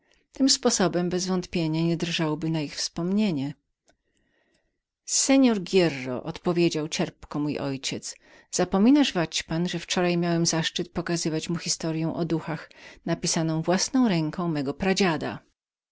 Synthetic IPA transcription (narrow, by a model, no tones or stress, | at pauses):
t̪ɘmspɔsɔbɛmbɛzvɔnt̪pʲjeɲaɲɛd̪ɾʐawbɘnaixfspɔmɲeɲɛ | sɛɲɔɾɡʲjɛrːɔ̰ʔɔt̪pɔvʲjed͡ʑawt͡ɕɛɾpkɔmujɔjt͡ɕɛt̪s | z̥apɔmʲinaʐvat͡ɕpanʐɛft͡ʂɔɾajmʲjawɛmzaʂt͡ʂɘt̪̚pɔkazɘvat͡ɕmuxʲist̪ɔɾjɛw̃ʔɔd̪uxaxnapʲisanɔ̃w̃vwasnɔ̃w̃ɾɛŋkʰɔ̃w̃mɛɡɔpɾad͡ʑad̪a̰